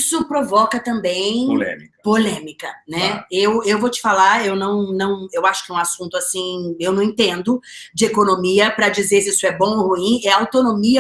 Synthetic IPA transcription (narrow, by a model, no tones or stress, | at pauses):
sʊpɾovɔkɐt̪ɐ̃mbẽj̃lɛ̰mkpolẽmikɐnɛewewvot͡ʃɪ̥falaewnɐ̃w̃nɐ̃w̃ewaʃʊ̥kɪɛũasũnt̪ʊasĩewnɐ̃w̃ĩt̪ẽnd̪ʊd͡ʒɪekonomiɐpɾɐd͡ʒizesisʊɛbõw̃ohuĩɛɐawt̪onõmiɐ